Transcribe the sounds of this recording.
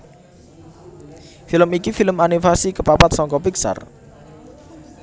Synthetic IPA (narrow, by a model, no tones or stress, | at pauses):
filəmikifiləmanifasikəpapat̪̚sɔŋkɔpiksa̰r